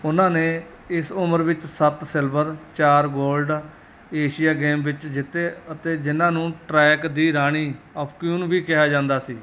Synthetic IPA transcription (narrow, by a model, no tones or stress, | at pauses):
ʊnãːneː | ɪsʊməɾʋɪt͡ʃsət̪sɪlbəɾt͡ʃaːɾɡoːlɖ | eːʃɪjaːɡeːmʋɪt͡ʃd͡ʒɪt̪ːeːət̪eːd͡ʒɪnãːnũːʈɾɛːkd̪iːɾaːɽ̃iːɔːpʰkjuːnʋiːkɪɦaːd͡ʒãːnd̪aːsiː